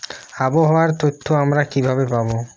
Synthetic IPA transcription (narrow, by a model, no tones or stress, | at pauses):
aboɦɔwaɾt̪ot̪ʰːoamɾakibʱabepabo